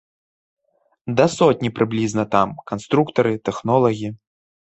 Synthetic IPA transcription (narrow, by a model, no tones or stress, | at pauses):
d̪ɐsɔt̪̚ʲnʲipɾɨblʲiznɐt̪amkanst̪ɾukt̪ɐɾɨt̪ɛxnɔlˠɐɣʲi